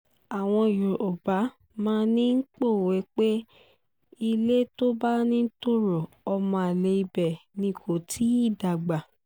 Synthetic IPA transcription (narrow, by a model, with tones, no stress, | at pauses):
a˨w̃ɔ̃˧˨jo˨o˨ba˨˦ | mãː˦˧nĩ˦ŋ̩˦k͡po˦˨we˨˦k͡pe˦ | i˧le˦to˦ba˦nĩ˦to˦ɾo˨ | ɔ˧mɔ̃˧a˨le˧i˧bɛ˨nĩ˧ko˨tʰi˦i˦˨da˨ɡ͡ba˨